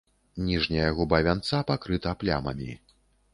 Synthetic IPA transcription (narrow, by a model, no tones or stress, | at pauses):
nʲiʐnʲijɐɣubavʲant̪sapakɾɨt̪ɐplʲa̰mɐ̰mʲi